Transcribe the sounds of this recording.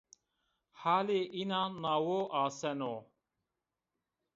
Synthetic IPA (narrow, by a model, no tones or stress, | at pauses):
haːleʔinaːnawoʔaːsɛno